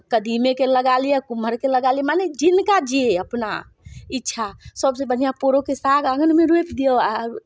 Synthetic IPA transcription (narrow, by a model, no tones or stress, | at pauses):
kəd̪imekeləɡalijɛkuməɾkeləɡaljɛmaned͡ʒinkad͡ʒieəpna̰ | itːʃʰasəbsẽbən̤ijapoɾokesaɡəɡənmeɾuepd̪ioaɾ